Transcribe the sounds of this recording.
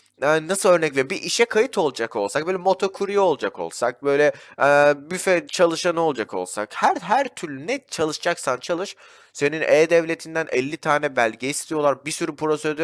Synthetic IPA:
ɛnasɯlø̞ɾnɛclʲɛbiʔiʃɛkʰajɯt̪ʰo̞lˠd͡ʒako̞lˠsak̚bøːlʲɛmo̞t̪ʰo̞kʰuɾijolˠd͡ʒako̰lˠsak̚bø̞jlʲɛɛbyfɛt͡ʃʰalˠɯʃanɯo̞lˠd͡ʒako̞̰lˠsa̰khæɾɦæɾt̪ʰyɾlʲynɛt͡ʃʰalˠɯʃd͡ʒaksant͡ʃʰalˠɯʃ | se̞ninʔɛːd̪ɛvlʲe̞t̪ʰind̪ænʔɛlʲːit̪ʰaːnɛbælʲɟɛist̪ʰijo̞lˠaɾbisyɾypʰɾo̞sed̪ø

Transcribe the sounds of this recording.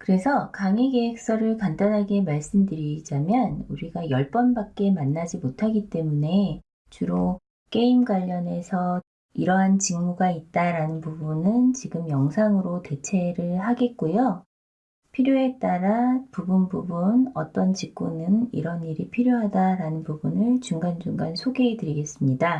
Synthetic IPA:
kɯɾe̞sʰʌkaŋiɡe̞ek̚s͈ʌɾɯɭkandanɦaɡe̞maɭs͈ɯmdɯɾid͡ʑamjʌnuɾiɡajʌɭp͈ʌnbak̚k͈e̞manːad͡ʑimotʰaɡit͈e̞mune̞ | t͡ɕuɾo | k͈e̞imɡwaʎːʌne̞sʰʌ | iɾʌɦant͡ɕiŋmuɡait̚t͈aɾanɯnpubunɯnt͡ɕiɡɯmjʌŋsʰaŋɯɾote̞t͡ɕʰe̞ɾɯɭhaɡe̞t̚k͈ojo | pʰiɾjoe̞t͈aɾapubunbubunʌt͈ʌnt͡ɕik̚k͈unɯnḭɾʌniɾipʰiɾjoɦadaɾanɯnpubunɯɭt͡ɕuŋɡand͡ʑuŋɡansʰoɡe̞ːtɯɾiɡe̞s͈ɯmɲida

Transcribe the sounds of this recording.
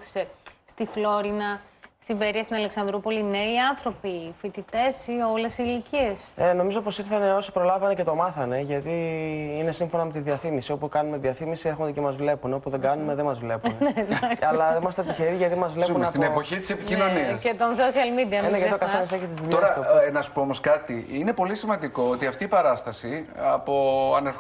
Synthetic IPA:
θi̥sest̪iflo̞ɾinɐst̪iveɾiɐst̪inɐleksɐnd̪ɾupo̞lineiɐnθɾo̞pifit̪it̪e̞sio̞le̞silicie̞seno̞mizopo̞siɾθɐne̞o̞si̥pɾo̞lɐvɐnece̞t̪o̞mɐθɐne̞ʝɐt̪iine̞siɱfo̞nɐme̞t̪iðiɐθimisio̞pukɐnume̞ðiɐθimisiexond̪ecemɐzvle̞puneo̞puðeɡɐnume̞ðe̞mɐzvle̞puneɐlɐimɐst̪etp̪içe̞ɾiʝɐt̪imɐzvleunɐt̪inepoçit̪i̥sepicino̞niɐset̪onsosiɐlmid̪iɐneɐt̪iokɐθenɐseçit̪izðiʎoɾɐnɐsu̥poomo̞skɐt̪iine̞po̞lisimɐnd̪iko̞ot̪iɐft̪iːpɐɾɐst̪ɐsiɐpoɐ̰neɾ

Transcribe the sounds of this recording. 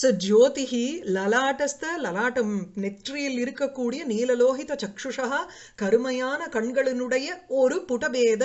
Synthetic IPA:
sɐd͡ʒoːt̪iɦilɐlaːʈɐst̪ɐlɐlaːʈɐmnek̚ʈɾijɐlːiɾukːɐkːuːɽijɐniːlɐloːɦit̪ɐt͡ʃɐkʂuʂɐɦɐ | kɐɾumɐjaːnɐkɐɳɡɐɭɐnuɽɐjɐoɾupuʈɐbɛːd̪ɐ

